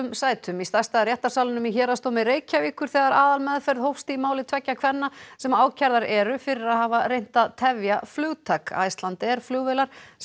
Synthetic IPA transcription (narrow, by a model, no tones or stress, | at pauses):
msaːjt̪ʰʏmist̪ast̪arjɛht̪ːasawlɪnʏmiçɛːɾast̪owmɪɾeːjcaviːkʏɾ̥θɛːɣaɾaːðalmɛðfɛɾðhowfst̪imaːwlɪt̪ʰvɛcːakʰvɛnːasɛmaːwcʰaɾðaɾɛɾʏfɪɾɪɾaðɦaːvaɾejn̥t̪aðt̪ʰɛvjaflʏːwt̪ʰaka̰jst̪lant̪ɛɾ̥flʏɣvelaɾ̥